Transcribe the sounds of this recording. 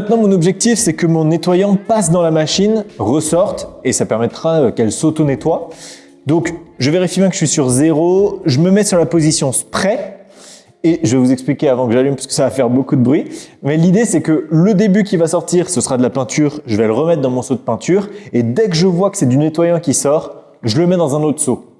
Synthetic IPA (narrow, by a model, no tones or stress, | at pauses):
mɛ̃t̪nɑ̃mɔ̃nɔbʒɛk̚t̪ifsɛkəmɔ̃net̪wajɑ̃pasd̪ɑ̃lamaʃinʁəsɔʁt̪esapɛʁmɛt̪χaøkɛlsot̪onet̪wa | d̪ɔ̃kʒəveʁifjijɛ̃kə̥əʃɥisyʁzeʁoʒəməmɛsyʁlapozisjɔ̃spχɛ | eʒəvɛvuzɛksplikʲeavɑ̃kəʒalympḁskə̥savafɛʁbokud̪əbʁɥimɛlid̪esɛkələd̪ebyk̬ʲivasɔʁt̪iʁsəsʁad̪əlapɛ̃t̪ʰyːʁʒəvɛləʁəmɛt̪̚χd̪ɑ̃mɔ̃sod̪əpɛ̃t̪ʰyːʁed̪ɛkəʒəvwakə̥sɛd̪ynet̪wajɑ̃kʲisɔːʁ | ʒələmɛd̪ɑ̃zɛ̃not̪χso